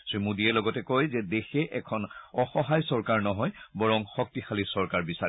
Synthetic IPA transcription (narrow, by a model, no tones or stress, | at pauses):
sɹimudiɛlɔɡɔtɛkojzɛdexɛʔɛkʰɔnɔxɔɦajsɔɹkaɹnɔɦɔjbɔɹɔŋxɔk̚tixʰalisɔɹkaɹbisa